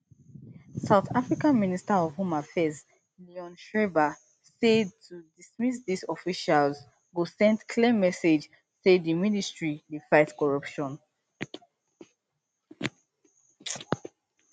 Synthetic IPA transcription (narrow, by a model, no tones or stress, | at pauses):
saʊθafɹikãnministaɔv̥ɦũmafɛz | liɔ̃nʃɹeba | sɛd̚tʰudismisdisɔfiʃalz | ɡosɛ̃ndkʰlemːɛsed͡ʒ | sedðiministɹilifaɪtkɔɹapʃɔ̃n